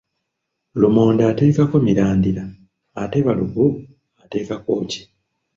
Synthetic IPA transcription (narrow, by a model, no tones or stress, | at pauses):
lumoːndaːte̞ːkako̞miɾaːndiɾaː | te̞βaluɡu | ate̞ːkako̞ːci̥